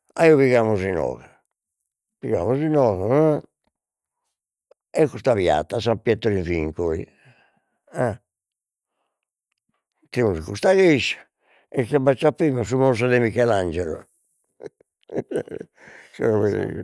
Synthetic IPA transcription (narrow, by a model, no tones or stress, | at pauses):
a̰iːɔβiɣaːmuzinɔ̰ːɣa | piɣa̰muzinɔːɣa | ɛkust̪aβja̰t̪ːasampjɛt̪ːɔɾiɱfiŋkoḭ | ɛ | t̪imusikust̪aɣeʃ | ɛkːabat͡ʃːapːɾimas̬umɔɾs̬ad̪ɛmikɛland͡ʒɛɾɔ̰ | sɛ̰ɔβḛ